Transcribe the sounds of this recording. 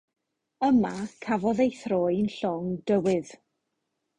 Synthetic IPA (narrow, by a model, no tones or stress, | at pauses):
əmakʰavɔðejθroːjnɬɔŋd̥əwɪð̥